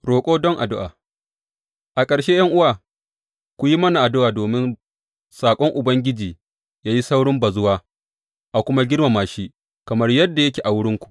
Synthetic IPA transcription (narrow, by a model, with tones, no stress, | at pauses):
ɽoː˨kʷʼoː˦dɔ˦ŋʔa̰˨dʊ˦ʔaː˨ | ʔa˨kʼɐ˨ɽʃe˦jɐ˦ŋʔʊ˦waː˨ | kʷu˨ji˦mɐ˦na˨ʔa˨dʊ˦ʔaː˨doː˨mɪ˦n | saː˨kʷʼɔ˦ŋʔʊ˨bɐ˦ŋɡʲɪ˦d͡ʒiː˨ | jaː˦ji˦sa˦wɽɪ˦mba˨zʊ˦waː˦ | ʔa˨kʷʊ˦ma˦ɡʲɪ˦rma˨maː˨ʃiː˦ | kɐ˨mɐ˦rjɐ˦dːa˨jɐ˦kʲeː˨ʔa˨wʊ˦ɽɪ˦ŋkʷu̥˨ʔ